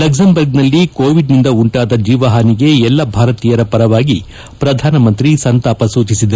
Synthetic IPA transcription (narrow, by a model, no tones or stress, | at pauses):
lɐksɐmbɐɾɡnɐlːikoːʋiɖnind̪ɐuɳʈaːd̪ɐd͡ʒiːʋɐɦaniɡe̞ɛlːɐbʱaːɾɐt̪iːjɐɾɐpɐɾɐʋaːɡi | pɾɐd̪ʱaːnɐmɐnt̪ɾisɐnt̪aːpɐsuːd̪ʱisid̪ɐ